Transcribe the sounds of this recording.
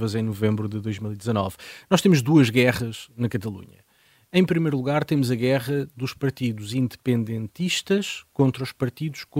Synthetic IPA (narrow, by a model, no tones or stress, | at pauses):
vɐzɐ̃j̃nuvẽmbɾuðɨðojʒmilˠid̪izɐnɔ̰vnɔʃt̪emuʒd̪uɐʒɣɛʁɐʃnɐkɐt̪ɐlˠṵɲɐ̰ | ɐ̃j̃pɾimɐjɾulˠuɣaɾt̪emuzɐɣɛʁɐðuʃpɐɾt̪iðuzĩnd̪ɨpẽnd̪ẽnt̪iʃt̪ɐʃkõnt̪ɾɐuʃpɐɾt̪iðuʃk